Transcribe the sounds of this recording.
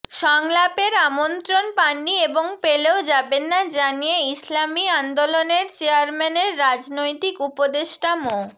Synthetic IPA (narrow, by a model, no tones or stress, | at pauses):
ʃɔŋlapeɾamont̪ɾonpanieboŋpeleod͡ʑabenːad͡ʑanijeislamiand̪oloneɾt͡ɕeaɾmɛneɾːad͡ʑnojt̪ikupod̪eʃʈamo